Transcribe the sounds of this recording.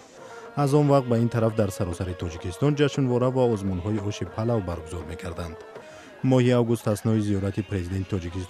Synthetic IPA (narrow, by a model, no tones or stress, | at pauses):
azɔnvaqt̪̚baint̪ʰaɾafd̪aɾsaɾɔsaɾit̪ʰɔd͡ʒikʰist̪ɔnd͡ʒaʃnvɔɾavaɔzmunɦɔiɔʃipʰalavbaɾɡuzɔɾme̞ɡaɾd̪and̪ | mɔhiavɡust̪asnɔiziɔɾat̪ʰipʰɾezid̪ent̪ʰit̪ʰɔd͡ʒikist̪